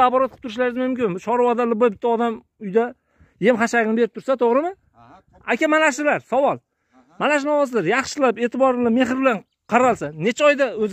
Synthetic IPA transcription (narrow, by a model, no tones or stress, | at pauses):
apɒɾat̪̚qʰp̚t̪ʰʊɾɪʃlaɾɪzmʊmkʲɪmbʊt͡ʃʰɒɾavɒd̪alɪbabɪt̪ʰːaɒd̪am | ʊjd̪a | je̞mχaʃaɡʲɪnɪbe̞ɾɪp̚t̪ʊɾsat̪ʰoʁɾɪmɪ | akʲamanaʃɪlaɾsawɒlˠ | malaʃ̬ɪnɒwɒsɪd̪ɪɾjɑχʃɪlape̞ːt̪ɪbɒɾlame̞ɦɪɾbɪlan | qʰɑɾalˠsanet͡ʃʰaɒjd̪aɵz